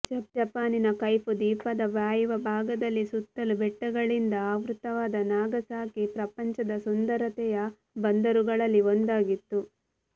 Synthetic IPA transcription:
d͡ʒɐpjɐpaːninɐkɐjpud̪iːpɐd̪ɐʋjaːjuʋɐbʱaːɡɐd̪ɐlːisut̪ːɐlubɛʈːɐɡɐɭind̪ɐaːʋɾut̪ɐʋaːd̪ɐnaːɡɐsaːkipɾɐpɐɲt͡ʃɐd̪ɐsund̪ɐɾɐt̪ɛjɐ | bɐnd̪ɐɾuɡɐɭɐlːiond̪aːɡit̪ːu

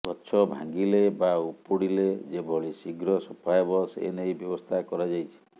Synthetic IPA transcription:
ɡɔtːt͡ʃʰɔbʱa̰ŋɡilebaupuɽiled͡ʒebʱɔɭisiɡɾɔsɔpʰaebɔsḛnejbjɔbɔst̪ʰakɔɾad͡ʒajt͡ʃʰi̥

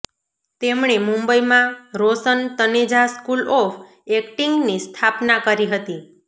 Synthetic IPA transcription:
t̪emɳemũmbəimãɾosənt̪əned͡ʒaskulɔf | ɛkʈiŋɡnist̪ʰapnakəɾiɦət̪i

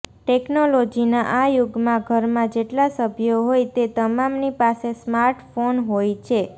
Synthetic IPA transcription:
ʈeknolod͡ʒinaʔajuɡmãɡʱəɾmãd͡ʒeʈlasəbʱjoɦojt̪et̪əmamnipasesmaɾʈfonɦojt͡ʃʰe

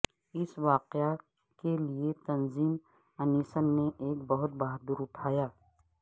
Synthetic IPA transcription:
ɪsʋaːqea | keliet̪ɐnziːm | əniːsənːeʔeːkbɐɦʊt̪̚baːɦd̪uːɾʊʈʰaːjaː

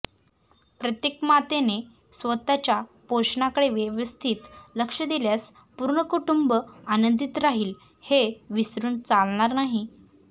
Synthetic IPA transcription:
pɾət̪jekmat̪ene | sʋət̪at͡ɕjapoɕɳakəɽeʋjəʋəst̪ʰiːt̪ləkʂəd̪iljas | puɾɳəkuʈumbəanənd̪it̪ɾaɦiːl | heʋisɾuːnt͡salɳ̃aɾnaɦi

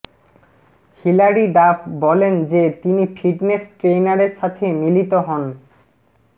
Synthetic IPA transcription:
hilaɾiɖabbɔlend͡ʑet̪inifiʈnesʈɾejnaɾeɾʃat̪ʰemilit̪oɦɔn

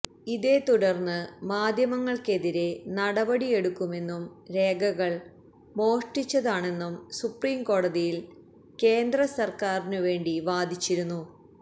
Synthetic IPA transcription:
iðe̞t̪uɽɐrnːɨmaːd̪ʱjɐmɐŋːɐɭke̞ðiɾe̞nɐɽɐbɐɽije̞ɽukːume̞nːumɾe̞ːɡɐɣɐɭ | mo̞ːʂʈit͡ɕːɐðaːɳe̞nːumsupriːmko̞ːɽɐðijil | ke̞ːnd̪rɐsɐrkaːrinɨʋe̞ːɳɖiʋaːd̪ʱit͡ɕːiɾunːu

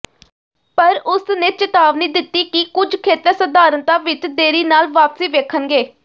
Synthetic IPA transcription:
pəɾʊsneːt͡ʃət̪aːʋniːd̪ɪt̪ːiːkikʊd͡ʒkʰeːt̪ẽːsəd̪aːɾənt̪ãːʋɪt͡ʃd̪eːɾiːnaːlʋaːpsiːʋeːkʰənɡeː

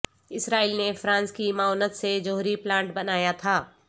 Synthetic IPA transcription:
ɪsɾaːiːlnefɾãːnskimaɔːnət̪sed͡ʒoɦɾiplãːɳʈbɐnaːjat̪ʰaː

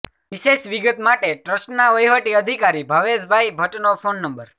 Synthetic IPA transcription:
ʋiʃeʃʋiɡət̪maʈeʈɾəsʈnaʋəjɦəʈiəd̪ʱikaɾibʱəʋed͡ʒbʱajbʱəʈnopʰonːəmbəɾ

